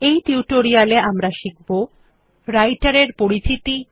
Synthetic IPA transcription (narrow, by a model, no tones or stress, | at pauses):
ejʈiuʈoɾialeamɾaʃik̚bo | ɾajʈaɾeɾpoɾit͡ɕit̪i